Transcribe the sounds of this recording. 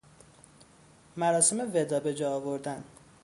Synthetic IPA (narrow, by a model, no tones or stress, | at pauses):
mæɾɒːsemeved̪ɒːbe̞d͡ʒɒːɒːvo̞ɾd̪æn